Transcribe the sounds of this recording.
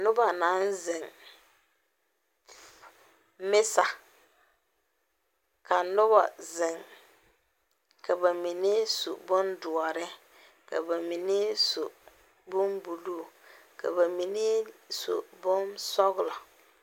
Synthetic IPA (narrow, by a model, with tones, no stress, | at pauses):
nʊ˦ba˨na˨˦nzɪ˨ŋ | mɪ˦sa˨ | ka˨nʊ˦ba˨zɪ˨ŋ | kʰa˨ba˨mi˨ne˦suo̰˨bʊ˦ndʊ˨ɔ˨ɾɪ˦ | ka̰˨ba˨mi˨ne˦so̰˨ | bʊ˦mbu˨lu˦˨ | ka̰˨ba˨mi˨ne˦so̰˨bʊ˦nsɔ˦ɣʊ˦lɔ˨